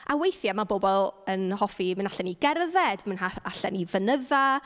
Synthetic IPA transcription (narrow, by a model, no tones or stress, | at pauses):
ʔawejθjamabobɔlˠənhɔfimənaɬɛniɡɛrðɛd̥mənɦaaɬɛnivənəða